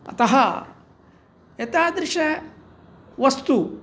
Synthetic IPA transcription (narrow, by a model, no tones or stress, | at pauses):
ɐ̰t̪ɐɦɐ | jɐt̪aːd̪ɾɪʂɐ | ʋɐst̪u